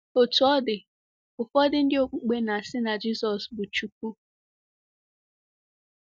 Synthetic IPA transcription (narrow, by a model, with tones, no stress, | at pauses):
o˨tu˨ɔ˦dɪ˨ | ʊ˨fɔ˦dɪ˦n̩˦dɪ˦o˦k͡pu˦ɡ͡be˦na˨sɪ˦na˨d͡ʒi˦sɔ˨sbʊ˨t͡ʃu˨k̚u˦